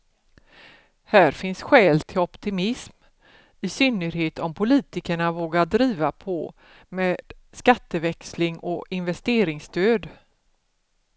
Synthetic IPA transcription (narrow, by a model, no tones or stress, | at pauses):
hæːɾfɪnsɧɛːlt̪ʰɪlɔpt̪ɪmɪsm | ɪsʏnːəɾɦeːt̪ɔmpʰʊliːt̪ɪkəɳavoːɡad̪ɾiːvapʰɔ | meːd̪̥skat̪ːəvɛkslɪŋɔɪnvɛst̪eːɾɪŋst̪øːd̪